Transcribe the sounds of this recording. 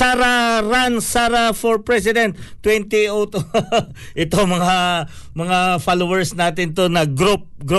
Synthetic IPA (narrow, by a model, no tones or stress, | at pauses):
aɾaɾansaːɾafoɹpɹɛs̬ɪd̪ɛnt̪ːwɛnt̪ɪowt̪o | ʔɪt̪omɐŋamɐŋafalowɛɹsnaːt̪ɪnt̪onɐɡɾup̚ɡu